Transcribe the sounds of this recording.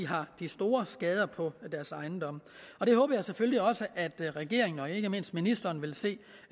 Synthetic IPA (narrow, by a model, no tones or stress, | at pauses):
iɦɑ̈d̥isd̥o̝ːɐsɡ̥ɛːð̞ˠɐpʰɒ̽d̥æɐsɑ̈ɪnd̥ɒ̽m̰ɒ̽d̥e̝hɔ̽ːb̥ɐjɑ̈ɪsefølliɒ̽səʔæd̥ʁɛɡ̥e̝ɐ̰e̝ŋn̩ɒ̽je̝ɡ̥əme̝n̰sd̥̚minisd̥ɐːnʋe̝lse̝̰ː